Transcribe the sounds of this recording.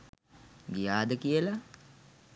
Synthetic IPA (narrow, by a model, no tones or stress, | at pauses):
ɡijaːd̪əkijəla